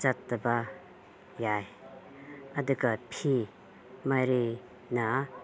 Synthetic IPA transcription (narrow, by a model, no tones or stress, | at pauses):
t͡ʃatːɐba | jaj | ɐduɡapʰi | majɾi | na